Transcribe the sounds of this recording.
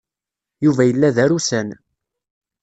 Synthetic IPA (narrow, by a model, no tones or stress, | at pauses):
juvæjəlːæðæɾusæn